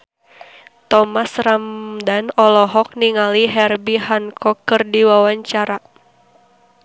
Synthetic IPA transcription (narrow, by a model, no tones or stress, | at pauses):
t̪ɔmasramdanɔlɔɦɔk̚niŋaliɦɛrbihankʰɔkːɨrdiwawaɲt͡ʃaɾa